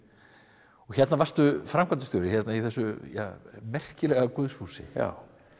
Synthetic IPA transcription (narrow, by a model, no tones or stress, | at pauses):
ɔçjɛt̪navar̥st̪ʏfɾamkʰant̪st̪jowɾɪçjɛt̪naiθɛsːʏja̰ːmɛr̥cɪlɛɣakʏðshuːsɪ̰a̰w